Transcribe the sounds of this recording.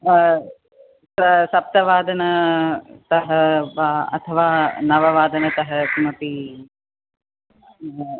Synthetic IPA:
sɐsɐp̚t̪ɐʋaːd̪ɐnɐ | t̪ɐɦɐʋaːɐ̰t̪ʰɐʋaːnɐʋɐʋaːd̪ɐnɐt̪ɐɦɐkumɐp̪i

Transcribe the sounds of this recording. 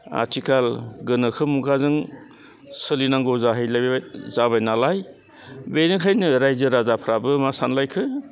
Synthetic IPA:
a̰tʰikʰalɡɯnɯkʰɯmukʰazɯŋ | sɯlinaŋɡɔwzaɦɯjlabzaβajnalaj | benɯkʰajnɯɾajzɯɾazapʰɾabɯmasanlajkʰɯ

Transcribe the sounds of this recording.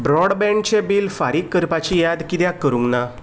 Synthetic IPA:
bɾɔɽbɛ̃ɳɖ̚t͡ɕebilfaɾiːkːəɾpat͡ɕijad̪kit̪jakːəɾũŋɡna

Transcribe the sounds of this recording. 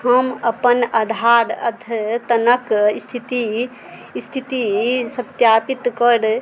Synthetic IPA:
həməpənad̪ʱaɾə̰d̪ʱt̪ənəkist̪ʰit̪i | st̪ʰit̪isət̪japit̪kəɾ

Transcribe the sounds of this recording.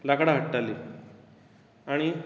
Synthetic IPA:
lakɽaɦəʈːali | aɽ̃i

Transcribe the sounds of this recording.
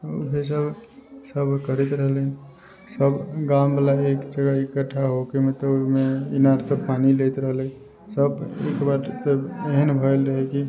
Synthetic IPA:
ṵɦes̬əbsəbkəɾɛt̪ɾəɦəle | səbɡambalaekd͡ʒəɡaikəʈʰːaɦokemet̪ɔmeinaɾsəbpanilet̪ɾəɦle | səbḛkbaɾt̪əeɦənbʱəjlɾəɦɛki

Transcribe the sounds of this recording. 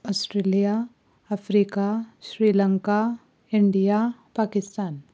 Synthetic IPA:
ɔsʈɾelijaː | fɾiːkasɾiːləŋka | iɳɖijapakɪst̪aːn

